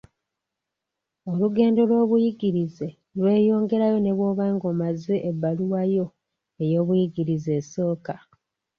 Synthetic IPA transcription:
o̞luɡe̞ːndo̞lwo̞ːβujiɡiɾize̞ | lwe̞ːjo̞ːŋɡe̞ɾajo̞ne̞βwo̞ːβaːŋɡo̞mazeʔːbːaluwajo̞ | ejo̞ːβujiɡiɾize̞ːso̞ːka

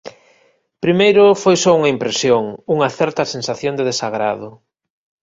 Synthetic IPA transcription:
pɾimejɾʊfojsɔuŋɐimpɾesjoŋuŋɐθɛɾt̪ɐsensaθjond̪eðesaɣɾaðʊ

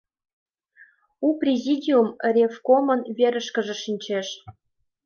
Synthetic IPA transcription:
uprʲezʲidʲiumrʲefkomənβeɾə̆ʃkə̆ʒĕʃinʲt͡ɕeʃ

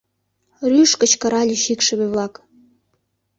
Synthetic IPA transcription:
ryʃkə̆t͡ɕkɤ̆ɾɑlʲiʃikʃə̆βeβlɑk

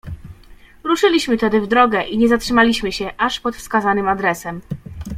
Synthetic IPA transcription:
ɾuʂɘlʲiɕmɘt̪ɛd̪ɘvd̪ɾɔɡɛʔiɲɛzatʂɘmalʲiɕmɘɕɛʔaʂpɔt̪fskazanɘmad̪ɾɛsɛm

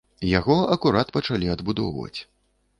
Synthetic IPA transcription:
jaɣɔɐkuɾat̪pɐt͡ʂalʲiɐd̪bud̪ɔ̰wvɐ̰t͡sʲ

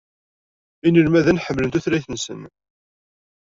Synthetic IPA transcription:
inəlmæðænħəmːlənt̪uθɾæjθənsə̰n

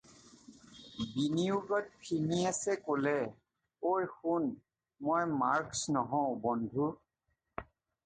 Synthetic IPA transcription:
biniuɡɔt̚pʰiniasɛkolɛ | ojxun | mojmaɹksnɔɦɔ̃bɔndʱu

